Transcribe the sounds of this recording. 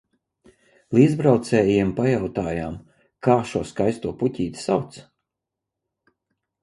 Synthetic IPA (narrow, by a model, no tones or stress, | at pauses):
lˠiːd̪zbɾawt̪sɛːjiɛmpajawt̪aːjaːm | kaːʃuɔskajst̪uɔpucʲiːt̪sawt̪s